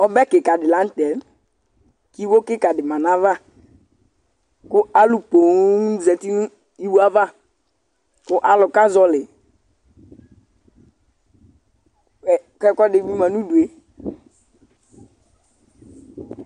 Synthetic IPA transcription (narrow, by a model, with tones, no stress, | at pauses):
ɔ˦bɛ˦kɪ˨ka˨dɪ˨lã˨˦n̩˦t̪ɛ˨˦m | ki˦wo˦kɪ˦ka˨dɪ˨mã˨na˦va˦ | kʊ˦a˦lu˨po˨˦zɛ˨ti˦nũ˦ | i˦wu˦a˦va˦ | kʊ˦ʔa˨lʊ˨ka˦zɔ˦lɪ˨ | ɛ˨kɛ˦kɔ˦dɪ˨bi˦mã˨nũ˦du˨e˨˦